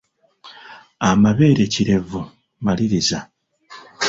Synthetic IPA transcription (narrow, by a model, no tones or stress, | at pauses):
amaβe̞ːɾeciɾe̞vu | maliɾiza